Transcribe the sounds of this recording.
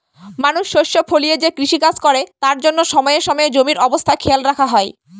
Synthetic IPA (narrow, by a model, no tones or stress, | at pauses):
manuʃːoʃːofʰolied͡ʑekɾiʃikad͡ʑkoɾet̪aɾd͡ʑonːoʃɔmɔeeʃɔmɔed͡ʑomiɾɔbost̪ʰakʰelɾakʰaɦɔe